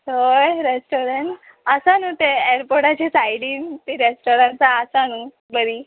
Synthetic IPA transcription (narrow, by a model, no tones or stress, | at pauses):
tojɾesʈoɾeɳʈ | əsanut̪eeɾpoɾʈat͡ɕasajɽiːnt̪iɾesʈoɾaɳt͡saəsanu | bəɾiː